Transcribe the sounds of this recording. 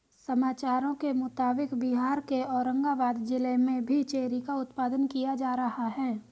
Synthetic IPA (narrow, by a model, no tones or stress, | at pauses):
sɐmaːt͡ʃaːɾõkemʊt̪aːbɪkbiɦaːɾkeɔːɾə̃ŋɡaʋaːd̪d͡ʒɪlemẽbʱit͡ʃeːɾikaʊt̪paːd̪ənkijad͡ʒaːɾɐhaɦɛː